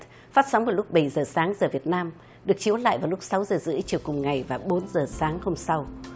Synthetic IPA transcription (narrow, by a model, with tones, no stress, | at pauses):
faː˦˥t̚sa˨˦wŋ͡mvəː˨˩lʊ˦˥k͡p̚ɓə˧˩jzəː˨˩saː˨˦ŋzəː˨˩vi˨˩ət̚naː˧m | ɗɨ˨˩ək̚t͡ɕi˨˦ə˦wla̰ː˧˨jvaː˨˩wlʊ˦˥k͡p̚sa˨˦wzəː˨˩zɨ̰˧˥ə˦jt͡ɕi˨˩əwkʊ˨˩ŋ͡mŋa˨˩jvaː˨˩ɓo˨˦nzəː˨˩saː˨˦ŋho˧ŋ͡msa˧w